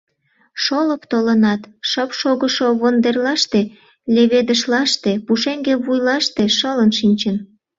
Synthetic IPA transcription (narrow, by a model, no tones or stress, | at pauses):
ʃoləpt̪olənɑt̪ʃəpʃoɣəʃoβond̪erlɑʃt̪e | lʲeβed̪əʃlɑʃt̪epuʃeŋɡeβujlɑʃt̪eʃələnʃinʲt͡ɕən